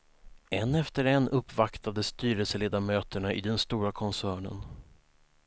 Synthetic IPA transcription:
ɛnːɛft̪əɾɛnːʔɵpːvakt̪ad̪əst̪yːɾɛlsəleːd̪amøːt̪əɳaʔɪd̪ɛnst̪uːɾakʰɔnsæːɳə̰n

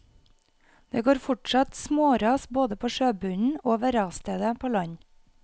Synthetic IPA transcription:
d̪̥eːɡoːɾfʊʈʃɑt̪smoːɾɑːsboːd̪əpʰoːʃøːbʉnn̩oːʋɛɾɑːst̪eːd̪əpʰoːlɑɲ

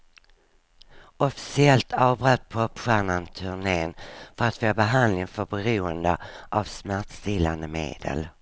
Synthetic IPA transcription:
ɔfɪ̥sɪɛlt̪ʰɑːvbɾœt̪̚pʰɔpɧæːɳant̪ʰɵɳeːnfœɾat̪fobɛɦand̪lɪŋfœɾbɛɾuːənd̪əʔavsmæʈ̪st̪ɪlːand̪əmḛːd̪̥ə̰l

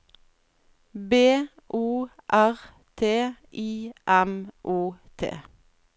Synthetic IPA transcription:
beː | ʔuːʔæʁ | t̪ʰeːʔiːʔɛmʔuːt̪ʰḛː

